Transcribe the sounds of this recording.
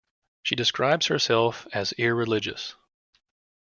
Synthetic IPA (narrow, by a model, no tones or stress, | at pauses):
ʃidɨskɹaɪbz̥hə˞sɛlˠfɨzɪɹːɨlɪd͡ʒɨ̰s